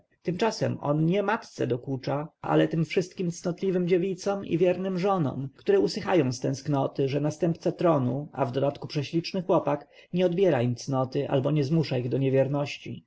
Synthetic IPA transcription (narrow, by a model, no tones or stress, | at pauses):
t̪ɘmt͡ʂasɛ̰mɔ̰nɲɛmat̪t̪sɛ̰d̪ɔkut͡ʂaa̰lɛt̪ɘmfʂɘst̪̚kʲimt̪snɔt̪lʲivɘmd͡ʑevʲit̪sɔmḭvʲjɛɾnɘmʐɔnɔ̰mkt̪uɾɛusɘxajɔ̃w̃st̪ɛ̃sknɔt̪ɘʐɛnast̪ɛmpt̪sat̪ɾɔnua̰vd̪ɔd̪at̪kupʂɛɕlʲit͡ʂnɘxwɔpak | ɲɛɔd̪bʲjɛɾaimt̪snɔt̪ɘʔa̰lbɔɲɛzmuʂaiɣd̪ɔɲɛvʲjɛɾnɔɕt͡ɕḭ